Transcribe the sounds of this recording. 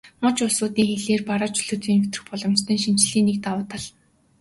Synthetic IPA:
mɔt͡ɕʊɮsʊːt̪iːŋxeɮeːrpaɾə̆ːt͡ɕɵɮɵ̆t͡siːnmet̪rɘ̥̆xpɔɮɞ̆mt͡ɕt̪ʰə̆nʃin̥t͡ɕɮiːnːekt̪awʊːt̪ə̆ɮ

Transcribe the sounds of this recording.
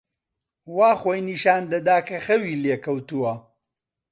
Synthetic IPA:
waːxojniʃaːnd̪ɐd̪aːkʰɐxɐwiːleːkɐwt̪uwɐ

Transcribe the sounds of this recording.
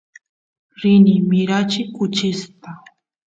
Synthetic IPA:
ɾɪnɪmɪɾat͡ʃɪkʊt͡ʃɪst̪a

